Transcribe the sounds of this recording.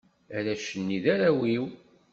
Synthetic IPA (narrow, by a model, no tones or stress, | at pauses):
æɾæʃənːiðaɾæwiw